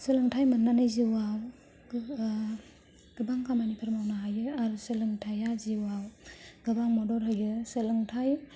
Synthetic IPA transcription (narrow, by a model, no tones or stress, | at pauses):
sɯlɯŋtʰajmanːanɯjziwaw | ɡ̥ɯbaŋkʰamanipʰaɾmawnaɦajɯaɾusɯlɯŋtʰajaziwawɡ̥ɯbaŋmɔdɔɾɦɯjɯsɯlɯŋtʰaj